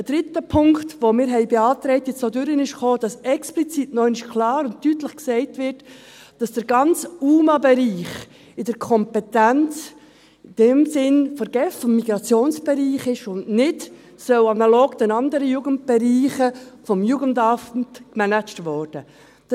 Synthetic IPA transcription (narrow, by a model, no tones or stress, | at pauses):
əd̥ɾɪtəpʰʊŋktʋomɪːɾɦɛɪbeɑːtɾɛɪtjɪt͡soːdʏɾənɪʃχoːd̥ɑsɛksplit͡sitnœʏnɪʃkʰlɑːɾʊnttytləχksɛɪtvɪɾt | d̥ɑsd̥əɾɡɑnt͡suːmɑbɛɾiːχ | ɪdəɾkʰɔmpɛtænt͡s | ɪd̥ɛmsɪnfəɾɡ̥ɛffɔmːiɡɾɑt͡sjoːnsb̥ɛɾiːχɪʃʊndnɪt | sœʊɑnɑloːɡd̥̪ɛnɑndəɾəjuːɡənt̚b̥ɛɾiːχəfɔmjuːɡəndɑfntkmænæt͡ʃtvɔrd̥ə | d̥